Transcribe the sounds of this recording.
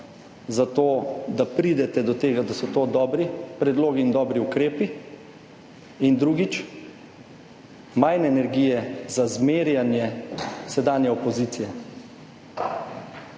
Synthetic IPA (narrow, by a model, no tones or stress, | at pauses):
zat̪oːd̪apɾiːd̪ɛt̪ɛd̪ɔt̪eːɡad̪asɔt̪oːd̪ɔːbɾipɾɛd̪loːɡiːnd̪ɔːbɾiukɾeːpi | ind̪ɾuːɡit͡ʃ | majnɛːnɛɾɡijɛzazmeːɾjanjɛsɛd̪aːnjɛɔpɔziːt̪ijɛ